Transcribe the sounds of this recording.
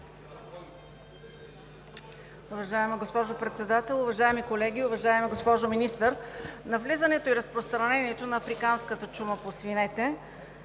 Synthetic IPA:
ʊvɐʒaɛməɡospɔʒopɾɛt̪sɛd̪at̪ɛlˠʊvɐʒaɛmikolɛɡ̟iʊvɐʒaɛmiɡospɔʒominist̪əɾnɐvlizənɛt̪oiɾəspɾost̪ɾɐnɛniɛt̪onɐːfɾikanskət̪ət͡ʃuməposvinɛt̪ɛ

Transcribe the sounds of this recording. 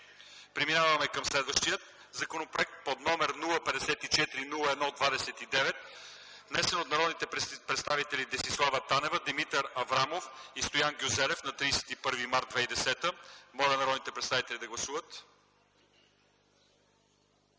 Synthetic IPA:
pɾiminavəmɛkɐmslɛd̪vəʃt̪ijət̪̚ | zɐkonopɾoɛk̚t̪̚pod̪nɔmɛɾnulˠəpɛd̪ɛsɛt̪it͡ʃɛt̪iɾinulˠəɛd̪nɔod̪vad̪ɛsɛt̪id̪ɛvɛt̪ | vnɛsɛnot̪nɐɾɔd̪nit̪ɛpɾɛt̪st̪avit̪ɛlid̪ɛsislˠavət̪anɛvəd̪imit̪əɾɐvɾamofist̪ojanɡʲuzɛlɛfnɐt̪ɾiːsɛ̥t̪ipɤɾvimaɾt̪d̪vɛid̪ɛsɛt̪əmɔlɐnɐɾɔd̪nit̪ɛpɾɛt̪st̪avit̪ɛlʲid̪ɐɡlˠɐsuvət̪

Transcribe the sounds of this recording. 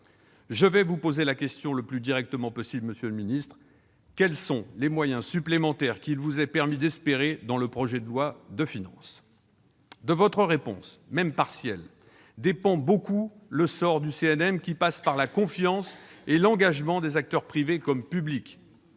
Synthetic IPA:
ʒəvɛvupozelakʲɛst̪jɔ̃laplyd̪iʁɛk̚t̪əmɑ̃pɔsibləməsjøləminist̪χ | kʲɛlsɔ̃lemwajɛ̃syplemɑ̃t̪ɛʁkʲilvuzɛpɛʁmid̪ɛspeʁed̪ɑ̃ləpχɔʒɛd̪əlwad̪əfinɑ̰̃s | d̪əvɔt̪χəʁepɔ̰̃smɛmpaʁsjɛl | d̪epɑ̃boku | ləsɔʁd̪yseɛnɛmkʲipaspaʁlakɔ̃fjɑ̃selɑ̃ɡaʒmɑ̃d̪ezak̚t̪œʁpχivekɔmpyblik

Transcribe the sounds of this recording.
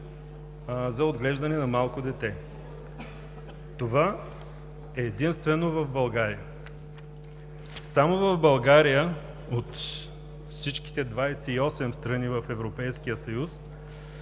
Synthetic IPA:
zɐod̪ɡlɛʒd̪ɐnɛnɐmalˠkod̪ɛt̪ɛ | t̪ova | ɛːd̪inst̪vɛnovɐvbɐlˠɡaɾijə | samovɐvbɐlˠɡaɾijə | ot̪ | fsit͡ʃki̥t̪ɛd̪vajsɛiɔsɛmst̪ɾɐnivɐfɛvɾopɛjsk̟ijəsɐjus

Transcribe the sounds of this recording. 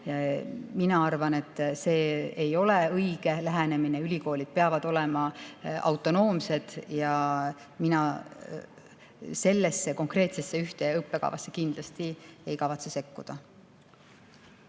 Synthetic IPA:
jɑminɑɑrvɑne̞t̪ˑːse̞ːejo̞leɤjɡ̥e̞læɦæne̞mineylʲiko̞ːlʲid̪̥̚pe̞ɑvɑd̪̥o̞lemɑɑ̰wt̪ːˑo̞no̞ːmse̞d̪̥jɑ | minɑ | se̞lːesːe̞ko̞ŋkre̞ːt̪sesːe̞yht̪e̞ɯpːe̞kɑ̰vɑ̰sːe̥kind̪̥lɑst̪ie̞jkɑvɑt̪sese̞kːud̪̥ɑ

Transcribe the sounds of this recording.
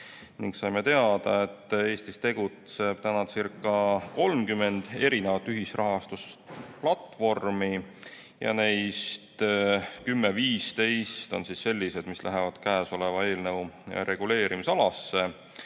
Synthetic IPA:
niŋɡsɑjme̞t̪e̞ɑd̪̥ɑe̞t̪ːˑe̞ːst̪ist̪e̞ɡ̥ut̪se̞b̥̚t̪ænɑd̪sirkːˑɑko̞lmkymːe̞nd̪̥e̞ɾine̞vɑt̪ːˑyɦisrɑɦɑst̪usplɑt̪vo̞rmi | jɑ̰ne̞jst̪kymːeviːst̪e̞jst̪o̞̰nsisːe̞lʲːise̞d̪mislʔæɦevɑd̪̥kæːso̞le̞vɑe̞ːlnew̰ɾe̞ɡ̥ule̞ːɾimisɑlɑsːe̞

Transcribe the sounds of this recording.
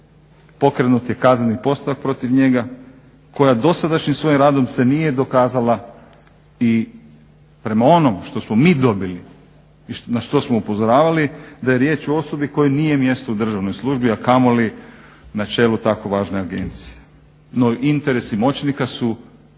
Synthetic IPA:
po̞kɾe̞nut̪je̞kaznanipo̞st̪utak̚pɾo̞t̪iʋɲe̞ɡa | ko̞jad̪o̞sad̪aʃɲimsʋo̞jimɾaːd̪o̞mse̞nije̞d̪o̞kaːzala | i | pɾe̞mao̞no̞mʃt̪o̞smo̞miːd̪o̞bili | inaʃt̪o̞smoupo̞zo̞ɾaːʋalid̪aje̞ɾje̞ːt͡ʃoo̞so̞biko̞jenije̞mje̞st̪oud̪r̩ʒaʋno̞jslˠuʒbiakamolinat͡ʃe̞ːlut̪ako̞ʋaːʒne̞aɡe̞̰nt̪sije | noint̪e̞ɾe̞simo̞t͡ʃnikasu

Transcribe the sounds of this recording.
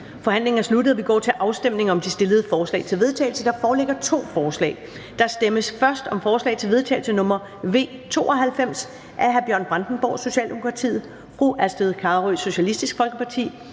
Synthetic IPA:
fɒ̽hæn̰le̝ŋɐnslud̥əð̞̩ˠɐʋiɡ̥ɒ̰ːt͡sʰe̝lʔɑ̈ʊsd̥emne̝ŋɒ̽md̥isd̥e̝ləð̞̩ˠəfɒːslɛ̰ːɪt͡sʰe̝lʋe̝ð̞ˠt͡sʰɛ̰ːɪl̩səd̥ɑ̈fɒːleɡ̥ɐt͡sʰo̝̰ːfɒːslɛ̰ːɪ | d̥ɑ̈sd̥eməsfɶɐsd̥ɒ̽mfɒːslɛ̰ɪt͡sʰe̝lʋeðˠt͡sʰɛ̰ɪl̩sənɔ̽mɐ | ʋe̝̰ːt͡sʰo̝̰ːɒ̽ɦælfem̰s | ʔæɦæɐb̥jɶɐnb̥ʁɑ̈nd̥n̩b̥ɒ̰ːso̝ɕɛ̰ːld̥e̝mo̝kʰʁɑ̈t͡sʰḭːð̩ˠ | fʁuʔæsd̥eðˠkʰɑ̈ʁuso̝ɕælisd̥isɡ̥fɒ̽lɡ̥əpʰɑ̈t͡sʰḭː

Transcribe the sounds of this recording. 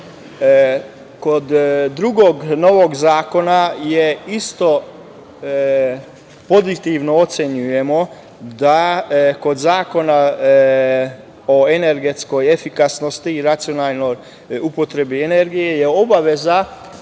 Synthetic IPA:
kod̪ːɾuɡoɡno̞ʋoɡzaːko̞najeist̪o̞ | po̞zit̪iʋnoot̪seɲuje̞mo̞ | d̪ako̞d̪zaːko̞na | oene̞ɾɡet̪sko̞jefikasnost̪iːɾat̪sijonaːlˠnoj | upo̞t̪ɾe̞biene̞ɾɡije̞jeo̞baʋe̞za

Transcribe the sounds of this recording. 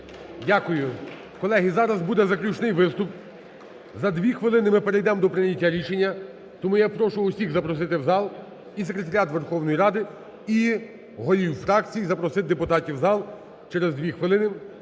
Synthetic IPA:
dʲakʊjʊ | kɔlˠɛɦizɑɾɐzbud̪ɛzɐklʲut͡ʃnɪjʋɪst̪ʊp | zɐd̪ʋʲixʋɪlˠɪnɪmɪpeɾejd̪ɛmd̪ɔpɾɪnʲɐtʲːaɾʲiʃenʲːɐ | t̪ɔmujapɾɔʃʊʊsʲiɣzɐpɾɔs̬ɪt̪ɪwzɑlˠ | is̬ekɾe̞t̪ɐɾʲat̪ʋerxɔwnɔjiɾɑd̪ɪ | i | ɦɔjʲiwfɾɑkt͡sʲijizɐpɾɔsɪt̪̚d̪epʊt̪ɑtʲiwzɑlˠ | t͡ʃɛɾezd̪ʋʲixʋɪlˠɪnɪ

